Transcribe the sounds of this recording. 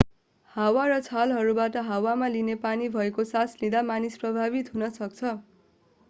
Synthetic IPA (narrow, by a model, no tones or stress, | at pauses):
hawaɾʌt͡sʰalɦʌɾubaʈʌɦawamalinepanibʱʌekosaslid̪amanisprʌbʱaβit̪ɦunʌsʌk̚t͡sʰʌ